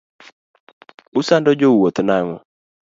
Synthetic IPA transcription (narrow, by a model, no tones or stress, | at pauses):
ʊsandɔd͡ʒowot̪naŋɔ